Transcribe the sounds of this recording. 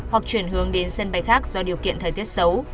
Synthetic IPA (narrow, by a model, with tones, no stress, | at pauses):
hwa˨˩k̚t͡ɕwi˧˩ənɦɨ˨˦əŋɗe˨˦nsə˧nɓa˨˧˦jxaː˦˥k̚zɔ˧ɗi˨˩əwkḭ˧˨ənt̪ʰəː˨˩jt̪ʰt̚sə˨˦w